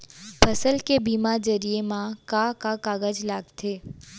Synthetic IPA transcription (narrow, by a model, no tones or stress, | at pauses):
pʰəsəlkebimad͡ʒəɾijemãkãkakaɡəd͡ʒlaɡt̪ʰe